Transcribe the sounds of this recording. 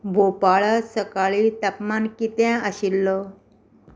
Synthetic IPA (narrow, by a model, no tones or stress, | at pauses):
bʱopaɭasəkaɭit̪apmankit̪ãəɕilːɔ